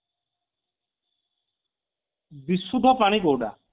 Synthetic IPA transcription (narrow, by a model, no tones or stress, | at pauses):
bisud̪ʱɔpaɽ̃iɡowɖa̰